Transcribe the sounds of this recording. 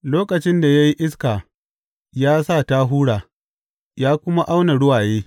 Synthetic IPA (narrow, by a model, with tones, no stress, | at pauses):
loː˦kɐ˨t͡ʃɪ˦nda˨ja˦ji˦ʔɪ˦skaː˨ | jaː˦sa˦˨taː˦ɦuː˦ɽaː˨ | jaː˦kʷʊ˦ma˦ʔa˦wna˨ɽʊ˦waː˨jeː˦